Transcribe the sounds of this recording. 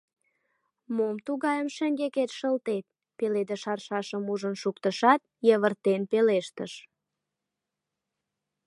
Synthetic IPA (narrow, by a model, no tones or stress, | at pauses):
momt̪uɣɑjəmʃə̆ŋɡeket̪ʃəlt̪et̪̚ | peled̪eʃɑrʃɑʃəmuʒənʃukt̪əʃɑt̪̚jəβərt̪enpeleʃt̪əʃ